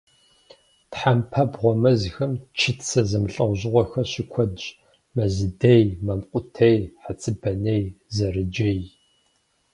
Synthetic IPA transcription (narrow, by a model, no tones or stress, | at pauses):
tħampʰɐbʁʷɔmɐzxɨmt͡ʃʰɪtʰsɐzɨmɬʼɐwʷʑɪʁʷɔxɐɕikʷʰɔdʒ | mɐzɨdejmɐmqʷʼʊtʰejħat͡sʼɨbɐnejzɐrɨd͡ʒej